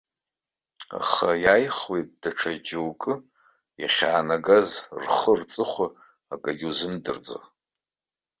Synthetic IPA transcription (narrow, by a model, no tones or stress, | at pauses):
a̰χajajχwejtʼd̥aʈ͡ʂʰad͡ʒɪwkʼɨ | ja̰χʲaːnaɡazrχərt͡sʼɨχʷa | akʼaɡʲuzɨmdɨrd͡zo̰